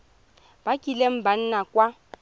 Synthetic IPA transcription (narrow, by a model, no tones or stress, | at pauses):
b̥akʼilem̩ban̩nakʼwa